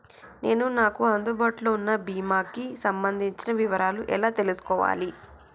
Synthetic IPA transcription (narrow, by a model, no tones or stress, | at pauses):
ne̞ːnunaːkuɐnd̪ubaːʈuloːunːɐbiːmaːkisɐmbɐnd̪ʱiɲt͡ʃinɐʋiʋɐɾaːluʔɛlaːt̪e̞lusu̥kɔːʋa̰ːli